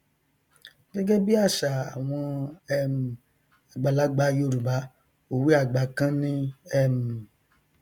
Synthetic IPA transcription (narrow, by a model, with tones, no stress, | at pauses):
ɡɛ˦ɡɛ˦bi˦a˦˨ʃa˨a˨w̃ɔ̃˧ɛ˦˧mũ˨ | a˨ɡ͡ba˨la˨˦ɡ͡ba˧˦jo˧˨ɾu˨ba˨˦ | o˨wi˦a˦˨ɡ͡ba˨˦kã˦nĩ˦ɛ˦mũ˨